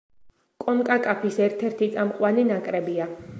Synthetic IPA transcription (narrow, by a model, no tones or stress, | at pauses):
kʼɔnkʼakʼapʰisɛɾt̪ʰɛɾt̪ʰit̪sʼamqʼwaninakʼɾɛbia